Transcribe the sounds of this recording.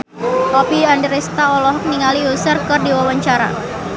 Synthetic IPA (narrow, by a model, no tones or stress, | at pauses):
hɔpiandəɾɛst̪aɔlɔɦɔk̚niŋaliusərkɨrdiwawaɲt͡ʃaɾa̰